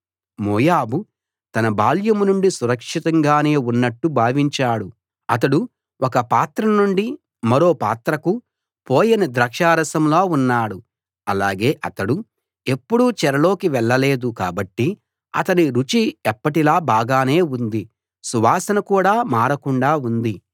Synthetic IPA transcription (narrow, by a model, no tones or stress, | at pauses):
moːjaːbu | t̪ɐnɐbaːljɐmnuɳɖisuɾɐkʂit̪ɐŋɡaːne̞ːunːɐʈːubʱaːʋiɲt͡ʃaːɽu | ɐt̪̬ɐɽu | wʔɔkɐpaːt̪ɾɐnuɳɖi | mɐɾo̞ːpa̰ːt̪ɾɐku | poːjɐnɐd̪ɾɐkʂaːɾɐsɐmloːunːaːɽu | ɐlaːɡe̞ːʔɐt̪ɐɽu | e̞pːuɽut͡ʃɛɾɐlo̞ːkiʋɛɭːɐle̞ːd̪ukaːbɐʈːi | ɐ̰t̪ɐniɾut͡ʃiɛpːɐʈilaːbaːɡaːne̞ːund̪i | suʋaːsɐnɐkuːɽaːmaːɾɐkuɳɖaːund̪i